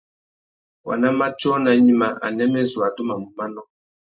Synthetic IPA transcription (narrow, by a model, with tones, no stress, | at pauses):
wa̰˨na˦ma˦t͡ʃɔ˦na˨ɲi˦ma˨ʔa̰˨nɛ˦mɛ˦zwa˨do˦ma˨mu˨ma˦nɔ˦